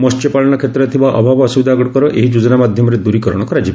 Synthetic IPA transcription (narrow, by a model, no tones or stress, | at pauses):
mɔst͡ʃɔpaɭɔɽ̃ɔkʰet̪ɾɔt̪ʰibaʔɔbʱabɔɔsubid̪aɡɔɽɔkɔɾɔʔeɦid͡ʒud͡ʒɔnamad̪ʱjɔmɔɾed̪uɾikɔɾɔ̰ɽ̃ɔkɔɾad͡ʒibi